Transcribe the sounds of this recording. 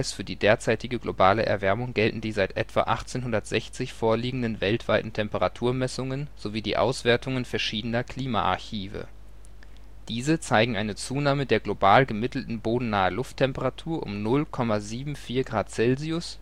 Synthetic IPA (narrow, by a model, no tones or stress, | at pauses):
ɪsfyːɐdiːdeːɐt͡saɪtɪɡəɡlʔobaːlə̰ʔɛ̰ɐvɛɐmʊŋɡɛltn̩diːzaɪtʔɛ̰tv̥a̰ʔa̰χt͡seːnɦʊndɐtz̥ɛçt͡sɪçfoːɐliːɡŋ̩dənvɛltv̥aɪtn̩tʰɛmpəʁatʰuːɐmɛsʊŋənz̥oviːdḭːʔa̰ʊsv̥eːɐtʊŋənfɛɐʃiːdənɐkʰl̥iːma̰ʔa̰ɐçiːvə̰ | d̥iːzət͡saɪɡŋ̩ʔaɪnət͡suːnaːmədeːɐɡlobaːlɡəmɪtl̩tn̩boːdn̩naːəlʊftʰːɛmpəʁatʰuːɐʔʊ̰mnʊlkʰɔmaziːbm̩fiːɐɡʁaːtt͡sɛlziʊs